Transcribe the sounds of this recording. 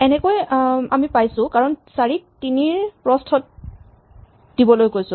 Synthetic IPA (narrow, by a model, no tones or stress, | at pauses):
ɛnɛkojamipajsʊ̃kaɹɔnsaɹik̚tiniɹpɹɔstʰɔt̚ | d̥ibɔlojkojsʊ̃